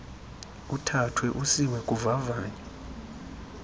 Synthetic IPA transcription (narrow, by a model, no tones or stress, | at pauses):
utʰatʰwɛʔusiwɛkʼuvavaːɲa